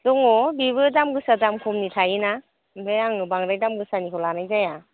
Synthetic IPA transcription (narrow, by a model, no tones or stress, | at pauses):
dɔŋɔbiβɯdamɡɯsadamkʰumnitʰaina | mpʰeaŋnɯbaŋɾajdamɡɯsaniɦɔlanajzaja